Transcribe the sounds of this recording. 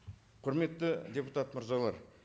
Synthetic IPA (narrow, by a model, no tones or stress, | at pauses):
qʰʊɾme̞t̪ːɪd̪ʲe̞put̪at̪məɾzɑlˠɑɾ